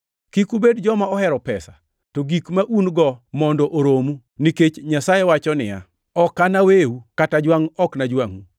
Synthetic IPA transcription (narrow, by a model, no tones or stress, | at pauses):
kikubedd͡ʒɔmaɔhɛɾɔpɛsa̰ | toɡikmaʔunɡɔmɔndɔʔoɾomu | niket͡ʃɲasajewat͡ʃɔnɪja̰ | ɔkːanaweukatad͡ʒwaŋɔknad͡ʒwaŋu